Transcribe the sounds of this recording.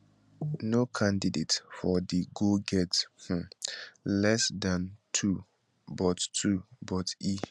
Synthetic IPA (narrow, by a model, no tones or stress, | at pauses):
nokʰãndidetfɔdiɡoɡɛth̩lɛsdãntʰu | bɔttʰubɔti